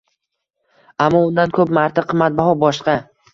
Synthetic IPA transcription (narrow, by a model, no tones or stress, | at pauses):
amːɒʊnd̪ankʰɵpmaɾt̪ʰaqʰɨmːat̪̚bahɒbɒʃqɑ